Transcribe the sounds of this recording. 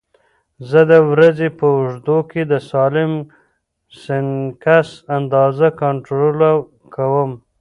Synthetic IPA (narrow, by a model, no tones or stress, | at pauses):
zəd̪əwɾazepəʊʐd̪oked̪əsɑlɪm | sɪnkasand̪ɑzakaɳʈɾola | kawəm